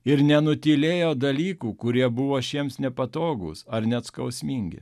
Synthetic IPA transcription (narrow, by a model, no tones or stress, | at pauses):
ɪɾnʲɛnʊt̪ʲiːlʲeːjoːd̪ɐlʲiːkuːkʊɾʲiɛbʊʋoːʃʲiɛmsnʲɛpɐt̪oːɡʊ̰sɐɾnʲɛt̪skɐʊsʲmʲiːŋʲɡʲɪ̰